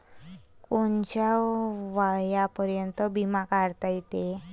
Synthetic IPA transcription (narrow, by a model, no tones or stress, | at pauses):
kont͡ɕjaʋajapəɾjənt̪ɔbimakaɽt̪ajt̪e